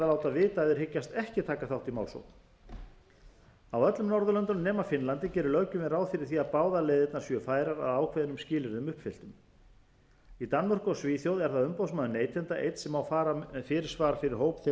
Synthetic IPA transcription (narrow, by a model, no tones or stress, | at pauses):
alawt̪aðvɪːt̪aðʏɾ̥hɪcːast̪ɛhcɪt̪ʰaːkaθawht̪imaːwlso̰wt̪n̥ | awœt̪lʏmnɔɾðʏlœnt̪ʏnmnɛːmafɪnlant̪ɪcɛːɾʏlœcʏmɛðɾaːwðfɪɾɪɾ̥θiaðpaːwðalejðɪt̪naɾ̥sjœfaːjɾaɾa̰ðaːwkʰvɛːðɪnʏmscɪːlɪɾðʏmʏhpfɪl̥t̪ʏm | it̪anːmar̥kʏɔsviːθjowðɛɾ̥θaðʏmpowsmaːðʏneːjt̪ʰɛnt̪aʔejt̪sɛmawfaːɾafɪːɾɪɾ̥svaːɾafɪɾɪɾ̥ɦoːwpθɪ